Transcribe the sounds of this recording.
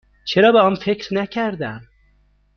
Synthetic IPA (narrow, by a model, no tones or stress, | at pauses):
t͡ʃʰeɾɒːbeɒnfecɾnæcʰæɾd̪æm